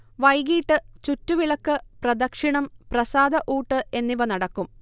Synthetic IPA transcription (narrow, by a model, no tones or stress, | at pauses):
ʋɐjɡiːʈːɨt͡ɕutːuʋiɭɐkːɨprɐd̪ɐkʂiɳɐmprɐsaːd̪ɐʔuːʈːɨʔe̞nːiʋɐnɐɽɐkːum